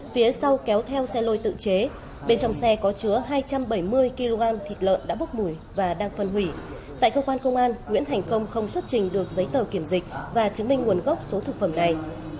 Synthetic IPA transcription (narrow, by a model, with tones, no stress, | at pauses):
fi˨˦əsa˧wkɛ˨˦wt̪ʰɛ˧wsɛ˧lo˧˩jt̪ɨ̰˧˨t͡ɕe˨˦ | ɓe˧nt͡ɕɔ˧wŋ͡msɛ˧kɔ˨˦t͡ɕɨ˨˦əɦaː˧jt͡ɕa˧mɓə˧˩jmɨ˧əjki˧lo˧ɣaː˧nt̪ʰi˨˩t̚lə̰ː˧˨nɗa̰ː˧˥ɓk͡p̚mu˧˩j | vaː˨˩ɗaː˧ŋfə˧nɦwi˧˩ | t̪a̰ː˧˨jkəː˧kwaː˧nkə˧wŋ͡mʔaː˧nŋwḭ˧˥ənt̪ʰa˨˩jŋ̟kə˧wŋ͡mxə˧wŋ͡mswt̚t͡ɕï˨˩ŋ̟ɗɨ˨˩ək̚zə˨˦jt̪əː˨˩ki˧˩əmzï˨˩k̟̚vaː˨˩t͡ɕɨ˨˦əŋmï˧ŋ̟ŋu˨˩ənɣɔ˦˥k͡p̚so˨˦t̪ʰɨ˨˩k̚fə˧˩mna˨˩j